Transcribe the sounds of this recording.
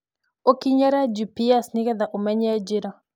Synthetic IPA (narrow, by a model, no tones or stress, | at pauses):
okiɲaɾad͡ʒupiasnɪkɛd̪aʔumɛɲad͡ʒɪɾɔ